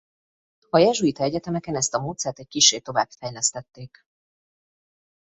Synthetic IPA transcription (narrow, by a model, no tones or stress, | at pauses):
ɒjɛʒuit̪ɒɛɟɛt̪ɛmɛkɛnɛst̪ɒmoːt̪sɛːrt̪ɛc̚kiʃːeːt̪o̞va̰ːb̥fɛjlɛst̪ɛt̪ːeːk